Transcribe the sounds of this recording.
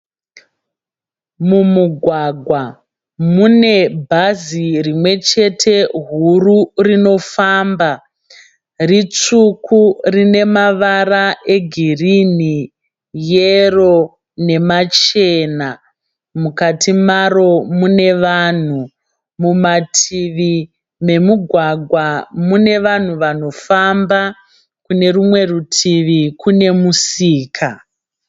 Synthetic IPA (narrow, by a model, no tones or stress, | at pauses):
mumuɡʱwaɡʱwa | mune̞bʱazirimwe̞t͡ʃe̞tʰe̞ɦururino̞faːmba | rit͡sukʰurine̞maʋaraʔe̞ɡʱirini | jero̞ | ne̞mat͡ʃeːna | mukatʰimaɾo̞mune̞ʋan̤u | mumatʰiʋi | me̞muɡʱwaɡʱwamune̞ʋan̤uʋano̞famba | kune̞rumwe̞rutʰiʋikune̞musiːkʰa